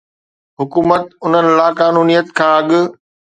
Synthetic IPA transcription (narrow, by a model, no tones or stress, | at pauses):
ɦʊkuːmət̪̚ʊn̤ənɪ̆laːkaːnuːnijət̪kʰãːɐɠʊ̆